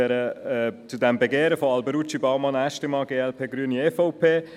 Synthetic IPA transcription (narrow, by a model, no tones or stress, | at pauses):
ɛɾət͡sudɛmbeɡeːɾəfɔɑlbəɾut͡ʃibɑmɑnæʃtəmɑɡ̥eːɛlpʰeːɡɾyːəniɛfɔʊpʰeː